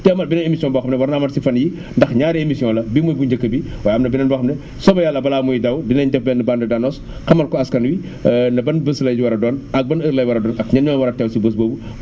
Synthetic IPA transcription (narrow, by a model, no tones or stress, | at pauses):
tɛmɐlbinɐnemisijɔ̃nbɔːxɐmnɛwɐɾnamɐtsifɐnji | ndɐxɲaːɾiemisijɔ̃lɐbimujbuɲd͡ʒɐkːɐbiwaːjɐmnɐbinɐnbɔːxɐmnɛ | sɔbɐjalːɐbɐlaːmujidɐwdinɐɲdɛfbɛːndɐbandɐdanɔs | xɐmɐlkɔɐskɐnwi | ndɐbɐnbəslɐjd͡ʒiwɐɾɐdɔːnɐk̚bɐnəɾlɐjwɐɾɐdɔːnʔɐkɲɐnɔːwɐɾɐtɛwsibəs̬boːbu